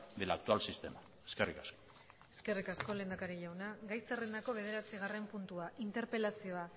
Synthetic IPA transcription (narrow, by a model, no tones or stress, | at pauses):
d̪elaːk̚t̪ualsist̪e̞ma | eskerikasko̥ | e̞ske̞rikasko̞le̞ːnd̪akaɾiʝawnaɡajserend̪ako̞β̞e̞ð̞e̞ɾat͡siɣ̞are̞mpunt̪uaʔint̪e̞ɾpe̞lasio̞a